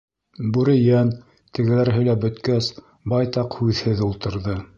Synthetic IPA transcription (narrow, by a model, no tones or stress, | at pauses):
bʉɾɘ̆jæn | t̪ɘ̆ɡɘ̆læɾɦɘ̆læbɵ̆t̪kæs | bɑjt̪ɑqhʉðhɘðulˠt̪ɤ̆ɾðɤ